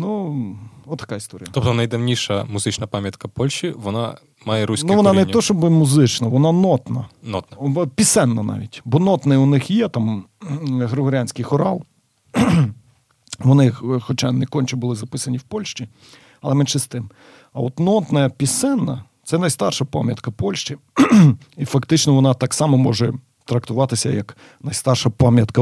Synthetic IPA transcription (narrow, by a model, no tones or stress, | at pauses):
nu | ɔt̪ːɐ̥kɑist̪ɔɾʲijɐtɔp̚t̪ɔnɐjd̪ɐwnʲiʃɐmʊzɪt͡ʃnɐpɑmʲjɐt̪kɐpɔlʲʃt͡ʃiʋɔnɑ̰ | mɑjɛɾusʲnʲuʋɔnɑneɔʃɔbɪmʊzɪt͡ʃnɐʋɔnɑnɔt̪nɐnɔt̪nɐpʲisɛnːɐnɑ̰ʋʲḭtʲbɔnɔt̪nɐjʊnɪxjɛt̪ɑm | ɦɾɪɦɔɾʲanʲsʲkɪjxɔɾɑlˠ | ʋɔnɪxɔt͡ʃɑnɛkɔnʲt͡ʃɛbʊlˠɪzɐpɪsɐnʲiwpɔlʲʃt͡ʃi | ɐlˠɛmɛnʃɛst̪ɪm | ɐɔt̪nɔt̪nɐpʲisɛnːɐt̪sɛnɐjst̪ɑrʃɐpa̰mʲjɐt̪kɐpɔlʲʃt͡ʃi | ifɐkt̪ɪt͡ʃnɔʋɔnɑt̪ɑksɑmɔmɔʒɛ | t̪ɾɐk̚t̪ʊʋɑt̪ɪsʲɐ̰jɐk | nɐjst̪ɑrʃɐpɑmʲjɐt̪kɐ